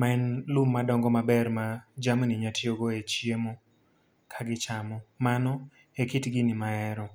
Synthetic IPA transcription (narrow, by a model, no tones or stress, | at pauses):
maɛnlumːadɔŋɡɔmabɛrmad͡ʒamniɲatʰjoɡoet͡ʃjemo | kʰaɡɪt͡ʃamɔmanɔ | ekitɡinɪmaɛɾɔ